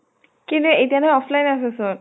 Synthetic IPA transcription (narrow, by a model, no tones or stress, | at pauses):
kint̪uejtianɔjɔpʰlajnaseson